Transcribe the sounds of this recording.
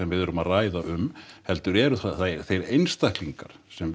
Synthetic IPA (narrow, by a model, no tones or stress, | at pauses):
ɛmvɪðʏɾʏmaðraːjðaʔʏmhɛl̪t̪ʏɾɛːɾʏθaθaɾθejɾejnst̪ahkliŋkaɾ̥sɛm